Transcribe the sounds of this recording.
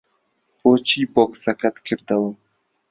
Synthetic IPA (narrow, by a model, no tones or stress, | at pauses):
b̥oːt͡ʃʰiːboːksɐkʰɐt̪kʰɨɾd̪ɐwa